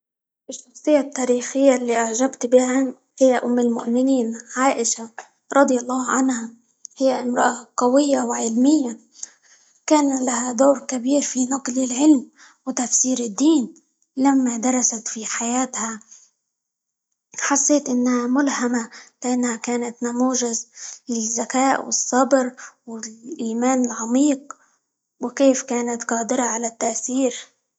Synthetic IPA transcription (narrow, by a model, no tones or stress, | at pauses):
ʔɪʃːɑxsˤɨjːat̪ːaːɾiːxɪjːalːiːʔaʕʒabt̪bɪham | hɪjːaʔʊmːɪlmʊʔmɪniːnʕaːʔɪʃa | ɾˤɑd̪ˤjɑlˤːɑːʕanha | hɪjːaʔɪmɾˤɑʔaqɑwɪjːawɪʕɪlmɪjːa | kaːnlahad̪oːɾkabiːɾfinɑqlɪlʕɪlm | wɪt̪afsiːɾɪd̪ːiːn | lamːad̪ɑɾˤɑsat̪fiħajaːt̪ha | ħɑsˤːeːt̪ʔɪnːhamʊlhamalɪʔanːhakaːnat̪namuːʒazlɪzːakaːʔwɪ̰sˤːɑbɾwɪlʔiːmaːnɪlʕɑmiːq̚ | wɪkeːfkaːnat̪qɑːd̪ɪɾɑʕalat̪ːaʔθiːɾ